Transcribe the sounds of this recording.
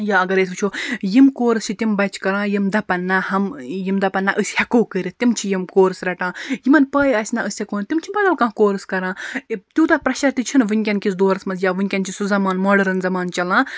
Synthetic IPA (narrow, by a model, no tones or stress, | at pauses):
jaɐɡɐɾeːs̬ʲbɨt͡ʃʰoːjimkoːɾɨst͡ʃʰit̪imbɐt͡ʃʰkɐɾãːjimd̪ɐpɐnːahɐmjimd̪ɐpɐnːɐʔɨsʲhʲɐkoːkɨɾʲit̪imt͡ʃʰijimkoːɾɨsɾɐʈãːjimɐnpɐːjɐsʲnɐʔɨsʲɐkoːnt̪imt͡ʃʰibɐd̪ɐlkãːkoːɾɨskɐɾãːit̪ʲuːt̪ɐpɾɐʃɐɾt̪it͡ʃʰinʋɨnʲkʲɐnkʲis̬d̪oːɾɐsmɐzjaːʋɨnʲkʲɐnt͡ʃʰisuzɐmaːnmɔɖɐɾɐnzɐmaːnt͡ʃɐlãː